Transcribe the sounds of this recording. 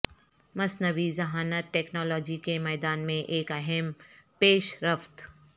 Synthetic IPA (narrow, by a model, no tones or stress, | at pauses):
mɐsnəʋizɐɦaːnaʈɛːknɔːlɔːd͡ʒikemɛːd̪aːnmẽʔeːkɐɦɛmpeːʃɾəft̪